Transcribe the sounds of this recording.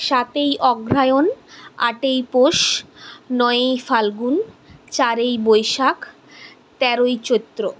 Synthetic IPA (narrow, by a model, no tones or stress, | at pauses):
ʃat̪ejʔɔɡɾajona̰ʈejpoʃ | nɔeejfalɡunt͡ɕaɾejbojʃak | t̪ɛɾojt͡ɕot̪ːɾo